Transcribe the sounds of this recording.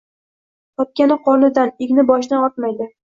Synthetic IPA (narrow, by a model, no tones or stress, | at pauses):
t̪ʰɒp̚kʲanɪqʰɒnɪd̪anɪɡʲnɪbɒʃ̬d̪anɒt̪majd̪ɪ